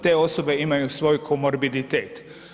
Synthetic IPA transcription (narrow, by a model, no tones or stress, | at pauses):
t̪eːo̞sobe̞imajusʋo̞ːjkʰomoɾbid̪it̪eːt̪